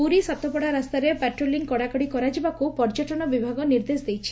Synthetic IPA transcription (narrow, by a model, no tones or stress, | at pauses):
puɾisat̪ɔpɔɽaɾast̪aɾepɛʈɾoliŋkɔɽakɔɽikɔɾad͡ʒibakupɔɾd͡ʒɔʈɔɽ̃ɔbibʱaɡɔniɾd̪esd̪ejt͡ʃʰi̥